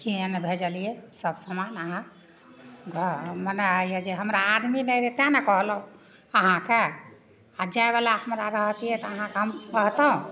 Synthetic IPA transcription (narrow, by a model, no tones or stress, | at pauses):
kienebʱed͡ʒalijesəbsəmanəɦã | ɡʱəmənəajɛd͡ʒeɦəmɾaːd̪minɛjɾet̪ãnɛkɔɦləũ | əɦãke | ad͡ʒaebalaɦəmɾaɾəɦt̪ijɛt̪ɔəɦãkeɦəmkəɦt̪ũ